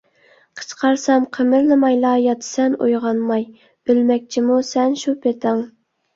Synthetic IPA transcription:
qʰə̥t͡ʃqʰɑɾsɑmqʰəmɪɾlɨmɑjlˠɑjɑt̪ʰɨ̥sɛno̰jʁɑnmɑj | ølmɛk̚ʲt͡ʃʰimusɛnʃupʰet̪ʰɪŋ

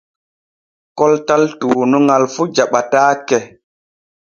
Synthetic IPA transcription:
kɔltaltuːnuŋalfud͡ʒaɓataːkɛ

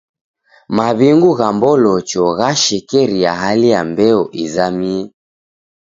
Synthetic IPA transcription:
maβiŋɡuɣambɔlɔt͡ʃɔɣaʃɛkɛɾiaɦalijambɛɔʔizamiɛ

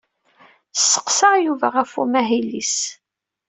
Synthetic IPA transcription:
sːə̥qsɑʁjuvæʁæfṵmæɦilːis

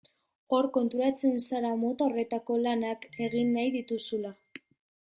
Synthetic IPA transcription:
o̞ɾko̞nt̪uɾat͡se̞nsaɾamo̞t̪aore̞t̪ako̞lanake̞ɣinːajðit̪usula

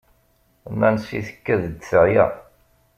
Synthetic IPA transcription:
nænsiθə̥kːæðəd̪səʕjæ̰

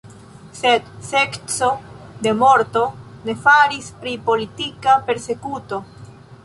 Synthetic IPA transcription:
se̞d̪se̞kt͡so̞d̪e̞moɾt̪o̞ne̞faɾispɾipo̞lit̪ikape̞ɾse̞kuto̞

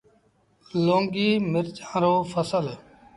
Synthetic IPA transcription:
lõːŋɡiːmɪɾt͡ʃḁ̃ːɾoːfʰəsəl

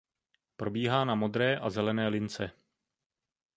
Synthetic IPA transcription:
pɾo̞biːɦaːnamo̞d̪ɾɛːʔazɛlɛnɛːlɪnt͡sɛ

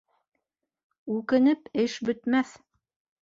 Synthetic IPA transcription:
ʉkɘ̆nɘpɘʃbɵ̆t̪mæθ

